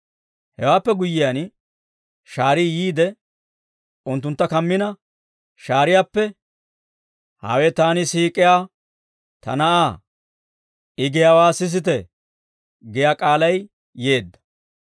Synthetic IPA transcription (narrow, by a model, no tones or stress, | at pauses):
hɛwaːpːɛɡʊjːɪjan | ʃaːɾɪjiːd̪ɛ | ʊnt̪ːʊnt̪ːɐkɐmːɪnɐ | ʃaːɾɪjaːpːɛ | ha̰ːwɛt̪aːnɪsiːkʼːɪjaː | t̪ɐ̰nɐʔaː | ʔɪɡɪjaːwaːsɪs̬ɪt̪ɛ | ɡɪjaːkʼaːlɐj | je̞ːd̪ːɐ̥